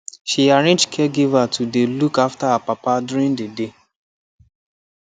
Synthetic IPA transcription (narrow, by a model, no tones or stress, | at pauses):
ʃiaɹẽnd͡ʒkʰɛɡevatʰudelukaftaɦapapaduɾĩndəde